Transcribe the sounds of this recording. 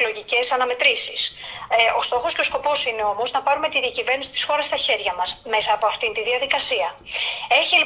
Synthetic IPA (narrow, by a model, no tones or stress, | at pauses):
lo̞ʝice̞sɐnɐme̞t̪ɾisis | o̞st̪o̞xo̞sce̞o̞sko̞po̞sine̞o̞mo̞znɐpɐɾume̞t̪iðiɐcive̞ɾnisi̥t̪i̥sxo̞ɾɐst̪ɐçe̞ɾʝɐmɐsme̞sɐːpo̞ɐft̪int̪iðiɐðikɐsiɐ | e̞çili